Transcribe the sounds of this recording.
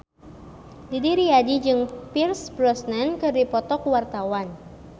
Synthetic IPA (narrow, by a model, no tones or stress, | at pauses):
didiɾiadid͡ʒɨŋpirsbɾɔsnankɨrdipɔt̪ɔkwart̪awan